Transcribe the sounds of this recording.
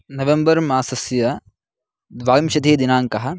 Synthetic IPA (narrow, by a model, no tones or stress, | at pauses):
nɐʋembɐɾmaːsɐsjɐ | d̪ʋaːimʃɐd̪ʱeːd̪inaːŋkɐɦɐ̆